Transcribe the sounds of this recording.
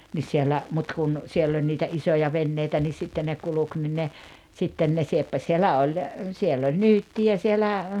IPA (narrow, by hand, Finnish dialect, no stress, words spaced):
nis sielːæ mut kun sielː olʲ niːtæ isojɑ ʋenːeitæ ni sitːen ne kuluk ni ne sitːen ne siepːɑsʲ sielæ ol siel olʲ nyːtːiæ sielæ